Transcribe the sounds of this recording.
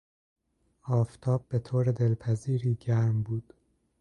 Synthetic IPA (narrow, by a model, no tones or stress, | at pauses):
ɒːft̪ʰɒːb̚ːet̪ʰoːɾed̪elpʰæziːɾiːɟæɾmbuːd̪̥